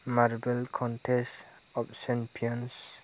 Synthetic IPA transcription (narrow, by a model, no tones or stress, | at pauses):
maɾbelkʰɔnʈʰesʈ | ɔpsɛmpʰiɔns